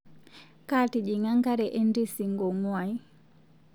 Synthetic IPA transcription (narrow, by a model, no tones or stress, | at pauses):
kaːtid͡ʒiŋaŋkaɾɛʔendisiŋɡɔŋaj